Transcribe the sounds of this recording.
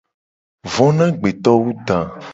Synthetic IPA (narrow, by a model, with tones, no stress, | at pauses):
vɔ̃˦nã˦ɡ͡be˨t̪ɔ˦wu˦d̪a˨